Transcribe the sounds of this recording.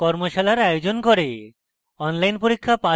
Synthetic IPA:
kɔɾmoʃalaɾajod͡ʑonkoɾe | ɔnlajnpoɾikʰːapa

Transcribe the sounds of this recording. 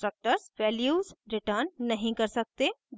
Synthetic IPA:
ʈɾək̚ʈəɾsʋɛːljuːzɾɪʈəɾnːɐɦĩkɐɾsɐk̚t̪ed

